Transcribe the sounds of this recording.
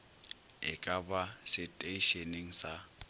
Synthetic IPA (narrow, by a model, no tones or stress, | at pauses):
ɪ̰kʼabasɪtʼeiʃeniŋ̩sa